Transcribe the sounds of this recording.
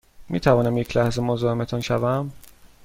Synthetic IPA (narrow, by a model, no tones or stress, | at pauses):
miːt̪ʰævɒːnæmjecʰlæhze̞mozɒːemet̪ʰɒːnʃævæm